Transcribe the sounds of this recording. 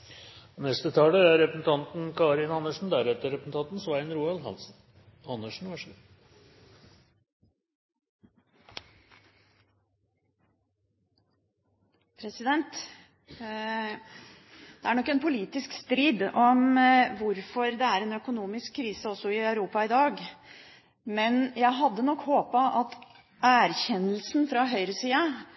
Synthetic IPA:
nɛst̪ət̪ʰɑːləæɾɾɛpɾəsn̩t̪ʰɑnt̪n̩kʰɑːɾɪnɑnəʂɳn̩d̪æɾɛt̪əɾɛpɾəsn̩t̪ɑnt̪n̩sʋæɪnɾuːɑlɦɑnsn̩ | ɑnːəʂɳ̩ʋæʂ | pʰɾɛsɪd̪ɛnt̪ | d̪ɛæɳɔkːɛnpʰʊliːt̪ɪskst̪ɾiːd̪ɔmʋʊɾfɔɾd̪ɛæɾɛnœkʊnuːmɪskʰːɾiːsəɔsɔɪœʉɾuːpɑɪd̪ɑːɡ | mɛnjæɪɦɑd̪ːənɔkːhoːpɑʔɑt̪ | æɾçɛnəl̩snfɾɑɦœʏɾəsiːɑ

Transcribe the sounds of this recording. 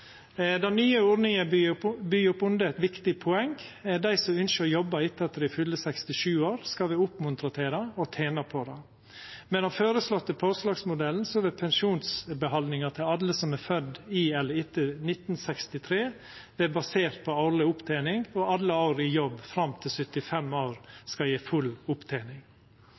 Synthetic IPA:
d̪ɑnyːəoːɖnɪŋəbyːʊpʊnd̪əɛt̪ʋɪkt̪ɪpʰʊɛŋɛd̪æɪsɔʏnʃəjɔbːəɾɪt̪ːəɛt̪ːəɾɪfʉlːəsɛkst̪ɪʃʉːoːɾskɑʋɪʊpmʊnt̪ɾɑt̪ʰeːɾɑɔt̪ʰeːnɑpʰɔd̪ɑ | mɛnɑføːɾəslɔt̪ːəpʰoslɑːɡsmʊd̪ɛln̩sɔʋɛpʰɛnʃuːnsbəɦɑnd̪nɪŋɑt̪ʰɪlɑlːəsɔmɛfœd̪ːɪɛlːəɪt̪ːənɪt̪n̩sɛkst̪ɪt̪ʰɾeː | ʋɛbɑseːɾt̪̚pʰɔɑlɪʊpt̪ʰæɪnɪŋɡɔʔɑlːəɑʊɾɪjɔbːfɾɑmt̪ʰɪlsʏt̪ɪfɛmːoːɾskɑjeːfʉlʊpt̪ʰæɪnɪŋ

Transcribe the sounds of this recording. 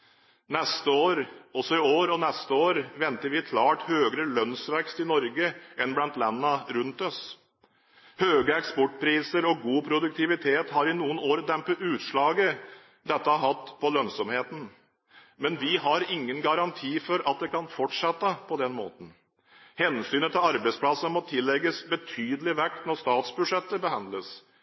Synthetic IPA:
nɛst̪əoːɾɔsɔɪoːɾɔnɛst̪əoːɾʋɛnt̪əɾʋɪkʰlɑːʈhøːɡəɾəlœnsʋɛkst̪ɪnɔɾɡəʔɛnblɑnt̪lɛnːəɾʉnt̪ɔs | høːɡəɛkspɔʈːpʰɾiːsəɾɔɡuːpʰɾʊd̪ʉk̚t̪ɪʋɪt̪ʰeːt̪hɑɾɪnuːənoːɾd̪ɛmpəʉːt̪ʂɭɑːɡə | d̪ɛt̪ːəɑɾɦɑt̪ːpʰɔlœnsɔmheːt̪n̩ | mɛnʋɪɦɑɾɪŋːənɡɑɾɑnt̪ʰiːfɔɾɑt̪̚d̪ɛkɑnfɔʈʂɛt̪ːəpʰɔd̪ɛnmo̰ːt̪ən̩ | hɛnsyːnət̪ʰɪlɑɾbæɪspʰlɑsəmɔt̪ʰɪlːɛɡəsbət̪ʰyːd̪əlɪʋɛkt̪nɔʂt̪ɑːt̪sbʉd̪ʂɛt̪ːəbəhɑnd̪ləs

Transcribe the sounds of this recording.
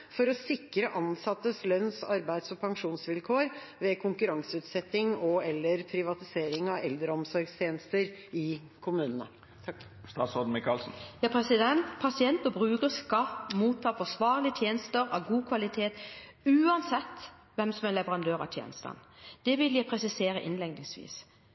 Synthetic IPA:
fɔɾɔsɪkːɾəʔɑnsɑt̪ːəslœnsɑɾbæɪd̪sɔpʰɑŋʂuːnsʋɪlkʰoːɾʋɛːkʰʊŋkʉɾɑŋsəʉːt̪sɛt̪ːɪŋɔɛlːəɾpʰɾɪʋɑt̪ɪseːɾɪŋɑɛld̪ɾəɔmsɔɾɡst̪ʰjeːnəst̪əɾɪ | kʰʊmʉːnənə̰ | t̪ʰ | st̪ɑsɔd̪mɪkɑlsn̩jɑːpʰɾɛsɪd̪ɛnt̪pʰɑsɪɛnt̪ɔbʁʉːkəskɑmuːt̪ʰːɑːfɔsʋɑːɾlɪət̪ʰjeːnəst̪əɾɑʋɡuːkʰʋɑlɪt̪ʰeːt̪ʉːɑnsɛt̪ː | ʋɛmsɔmɛnlɛʋəʁɑnd̪øːɾɑ̰t̪ʰjɛ̰ːnəst̪ɑ̰nd̪̥ɛʋɪljæɪpʰʁɛsɪseːɾəʔɪ̰nlɛŋd̪ɪŋsʋḭːs

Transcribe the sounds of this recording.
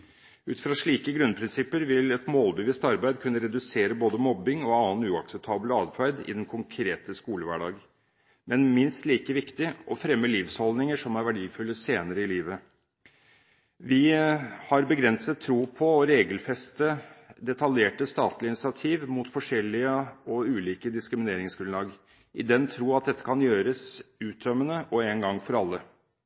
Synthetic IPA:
ʉːt̪fɾɑʂɭiːkəɡɾʉnpʰɾɪnsɪpːəɾʋɪlɛt̪moːlbɪʋɪst̪ɑɾbæɪd̪kʰʉnːəɾɛd̪ʉseːɾəboːd̪əmɔbɪŋɔɑːnʉːɑksɛp̚t̪ʰɑːbləɑd̪fʰæɪd̪ɪ̰d̪ɛnkʰʊŋkʰɾeːt̪əskuːləʋæ̰ːɖɑ̰ːɡ | mʔɛnmɪnst̪liːkəʋɪkt̪ɪʔɔfɾɛmːəliːfshɔld̪nɪŋəʂɔmæɾʋæɖiːfʉlːəseːnəɾəɪliːʋə | ʋɪhɑɾbəɡɾɛnsət̪ʰːɾuːpʰɔɔɾeːɡəlfɛst̪əd̪ɛt̪ɑljeːʈəst̪ɑːt̪ʰlɪnɪsɪɑt̪ʰiːʋmʊt̪fɔʂɛlɪəɔʉːliːkəd̪ɪskɾɪmɪneːɾɪŋsɡɾʉnlɑːɡ | ʔɪd̪ɛnt̪ʰɾuːɑt̪̚d̪ɛt̪ːə̥kʰɑnjøːɾəsʉːt̪̚d̪œmənəʔɔɛnɡɑŋːfɔɾɑlːə

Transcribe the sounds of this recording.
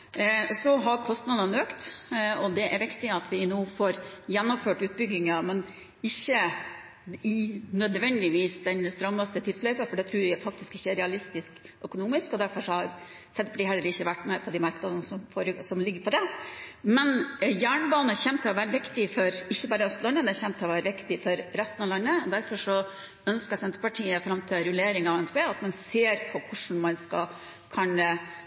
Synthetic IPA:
sɔɦɑɾkʰɔst̪nɑd̪ɑnøːkt̪ɔd̪ɛʔæɾʋɪkt̪ɪɑt̪ʰʋɪnoːfoːɾjɛnːɔmføːʈʉːt̪̚bʏɡːɪŋɑmɛn | ɪçːə | ɪnœd̪ʋɛnd̪ɪʋiːsd̪ɛnst̪ɾɑmɑst̪ət̪ʰɪlslœʏpəfɔɖɛt̪ʰɾʉːɾʋɪæfɑk̚t̪ɪskɪçːæɾɛɑlɪst̪ɪsk | œkʊnuːmɪskɔd̪æɾfɔɾʂɔhɑɾ | sɛt̪ːpʰɔd̪ɪhɛlːəɾɪçːəʋæʈːmɛpʰɔd̪imɑɾknɑd̪ənəsɔmfoːɾəsɔmlɪɡːəɾpʰɔd̪ɛmɛnjæːɳəbɑːnəçɛmt̪ʰɪlɔʋæːɾəʋɪkt̪ɪfɔɾɪçːəbɑːɾəœst̪lɑnːəmɛnɛçɛmt̪ʰɪlɔʋæːɾəʋɪkt̪ɪfɔɾɾɛst̪nɑʋlɑnːəd̪æɾfɔʂɔ | œnskəɾsɛnt̪ɾəpɑʈʰiːəfɾɑmt̪ʰɪlɾʉleːɾɪŋɑʋɛnspeːɑt̪mɑnseːɾpʰɔkʰʊʂɳ̩mɑnskɑ̰ | kʰɑnə

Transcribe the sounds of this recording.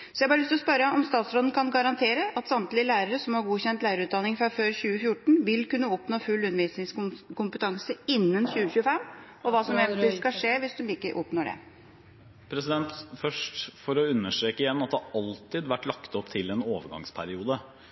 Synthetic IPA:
sɔjæɪbɑɾlst̪ɔspœɾəɔmst̪ɑːt̪sɾoːd̪n̩kʰɑnɡɑɾɑnt̪ʰeːɾəʔɑt̪sɑmt̪lɪəlæːɾəɾəsɔmhɑɾɡuːçɛnt̪læɪɾəɾʉːt̪d̪ɑnɪŋfɾɑføːɾçʉːəfjʊʈɳ̩ʋɪlkʉnːəɔpnoːfʉlːʉnːəʋiːsnɪŋskʰʊmpət̪ʰɑŋsəɪnːənɕʉːəɕʉːəfɛmː | ɔʋɑːsɔmeːɡ̪lɪskɑʂeːʋɪsd̪ɔmɪkːəɾʔɔpnoːɖɛ̰ | pʰɾɛsɪd̪ɛnt̪fœʂʈfɔɾɔʉnːəʂʈɾeːkəjɛnːɑt̪d̪ɑɾɑlt̪ɪd̪ʋæʈːlɑkt̪ɔpːt̪ʰɪlɛnoːʋəɾɡɑ̰ŋspʰæɾɪuːd̪ə

